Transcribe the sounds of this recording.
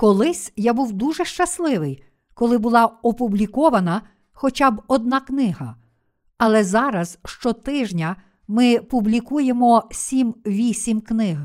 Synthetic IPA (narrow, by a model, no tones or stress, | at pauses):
kɔlˠɪsʲjabuwd̪uʒɛʃt͡ʃɐslˠɪʋɪj | kɔlˠɪbʊlˠɑɔpublʲikɔʋɐnɐ | xɔt͡ʃʲɑbɔd̪̚nɑknɪɦɐ̰ | ɐlˠɛzɑɾɐz̥ʃt͡ʃɔt̪ɪʒnʲɐ | mɪpublʲikujemɔsʲimʋʲisʲimknɪɦ